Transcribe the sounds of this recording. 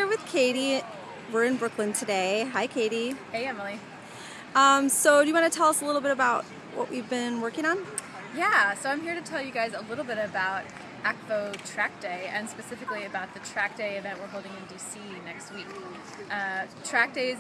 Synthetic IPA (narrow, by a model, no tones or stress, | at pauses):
ɹwɨð̥kʰeɪɾi | wɪɹɨ̃nbɹʊklɨ̃ntʰɨdeɪɦaɪkʰeɪɾiheɪɛ̃mɪlˠi | ʌ̃msoʊdɨjɨwɑnɨtʰɛlˠʌsəlɪɾl̩ˠbɪɾɨbaʊt̚ | wʔʌ̰ʔwivbɪ̃nwɜ˞kɪ̃ŋə̃n | jæsoʊãɪ̃mhiɹɾɨtʰɛlˠjɨɡaɪzəlɪɾl̩ˠbɪɾɨbaʊɾ̚ | ʔɛk̚poʊtʰɹ̥æk̚d̥eɪɨ̃nspɨsɪfɨkliɨbaʊt̪̚ðɨtʰɹ̥æk̚d̥eɪɨvɛ̃nʔwə˞ɦoʊlˠdɪ̃ŋɨ̃ndisinɛkst̚wik | ʔʌtʰɹ̥æk̚d̥eɪz